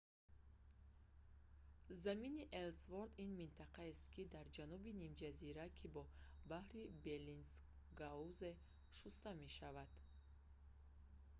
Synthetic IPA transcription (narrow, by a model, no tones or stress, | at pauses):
zaminiʔelsvoɾd̪inmint̪ʰaqaest̪kʰid̪aɾd͡ʒanubinimd͡ʒaziɾakʰibɔbahɾibelins | ɡauze | ʃust̪ame̞ʃavad̪̥